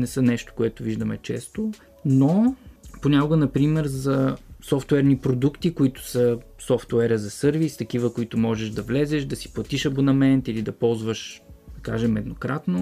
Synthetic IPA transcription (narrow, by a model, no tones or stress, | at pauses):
nɛsənɛʃt̪o̥koɛt̪ʊviʒd̪əmɛ̰t͡ʃɛ̰st̪o | noponʲakʊɡənɐpɾimɛɾzɐsɔft̪wɛɾnipɾod̪ukt̪ikoit̪ʊ̥sə | sɔft̪ɛɾəzɐsɤɾvist̪ɐk̟ivəkoit̪ʊmɔʒɛʒd̪ɐvlɛzɛʃd̪ɐsi̥plˠɐt̪iʃɐbonɐmɛnt̪ilid̪ɐpɔlˠzvəʃd̪ɐkaʒɛmɛd̪nokɾat̪no